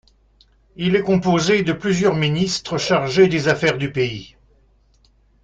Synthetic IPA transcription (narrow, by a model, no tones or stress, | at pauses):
ilɛkɔ̃pozed̪əplyzjœʁminist̪χəʃaʁʒed̪ezafɛʁd̪ypei